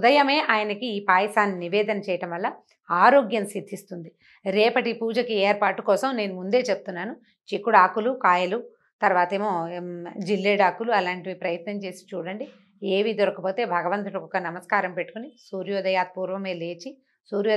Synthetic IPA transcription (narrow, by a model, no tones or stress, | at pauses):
ud̪ɐjɐme̞ːʔaːjɐnɐkiiːpaːjɐsaːnːiniʋeːd̪ɐnɐt͡ʃɛːjɐʈɐmʋɐlːɐ | aːɾoːɡjɐmsid̪ʱːist̪und̪i | ɾɛːpɐʈipuːd͡ʒɐkieːɾpaːʈːukɔːsɐmne̞ːnumund̪e̞ːt͡ʃeb̚ut̪unːaːnu | t͡ʃikːuɽaːkulukaːjɐlu | t̪ɐɾʋaːt̪eːmoːd͡ʒilːeːɖaːkːuluɐlaːɳʈiʋipɾɐjɐt̪nɐmt͡ʃe̞ːsi̥t͡ʃuːɽɐɳɖi | eːʋid̪ɔɾɐkɐpo̞ːt̪e̞ːbʱɐɡɐʋɐnt̪̬ɐʈɐkɔkːɐnɐmɐskaːɾɐmpeʈːu̥kunisuːɾjɔːd̪ɐjaːd̪̚puːɾʋɐme̞ːle̞ːt͡ʃi | suːɾjɔː